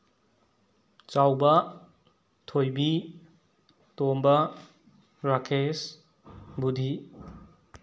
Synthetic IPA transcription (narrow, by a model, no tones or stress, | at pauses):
t͡ʃawbɐ | tʰojbi | tombɐ | ɾakʰes | budʱi